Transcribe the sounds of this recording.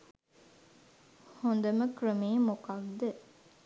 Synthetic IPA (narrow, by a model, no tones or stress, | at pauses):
hond̪ɐməkɾəmeːmokɐkd̪e